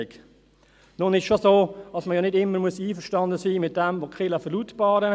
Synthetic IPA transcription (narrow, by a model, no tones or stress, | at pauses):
ɪk | nʊnɪʃʃosoːɑsməjɔːnɪdɪməmuəsiːfəʃtɑndəsiːmɪt̚d̥ɛmvoːkχɪləfərlutbɑːɾə